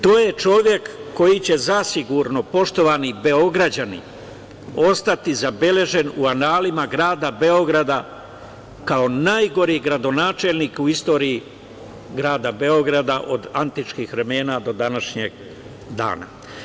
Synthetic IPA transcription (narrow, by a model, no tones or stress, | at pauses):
t̪o̞ːje̞t͡ʃo̞ʋje̞kːo̞jit͡ɕe̞zasiɡuɾno̞po̞ʃt̪o̞ʋanibe̞o̞ɡɾad͡ʑanḭ | o̞st̪at̪izabe̞le̞ʒe̞nuanaːlimaɡɾaːd̪abe̞o̞ɡɾad̪a | kao̞naːjɡo̞ɾiɡɾad̪o̞naːt͡ʃelniːkuist̪o̞ːɾii | ɡɾaːd̪abe̞o̞ɡɾad̪aʔo̞d̪ant̪it͡ʃkiːxʋɾe̞me̞ːnad̪o̞d̪anaʃɲeɡ̚ | d̪a̰ːna̰